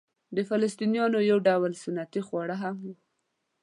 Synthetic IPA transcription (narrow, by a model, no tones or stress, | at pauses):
d̪əfalast̪inijɑnojawɖawalsʊnːat̪ixwɑɽaɦam